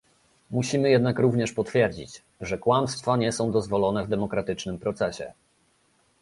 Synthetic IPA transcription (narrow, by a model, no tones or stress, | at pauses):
muɕimɘjɛd̪nakɾuvɲɛʂpɔt̪fʲjɛɾd͡ʑḭt͡ɕ | ʐɛkwamst̪faɲɛsɔ̃w̃d̪ɔzvɔlɔnɛvd̪ɛmɔkɾat̪ɘt͡ʂnɘmpɾɔt̪sɛɕɛ̰